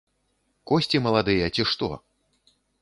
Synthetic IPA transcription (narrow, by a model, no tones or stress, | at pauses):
kɔsʲt͡sʲimɐlˠad̪ɨjɐt͡sʲiʂt̪ɔ̰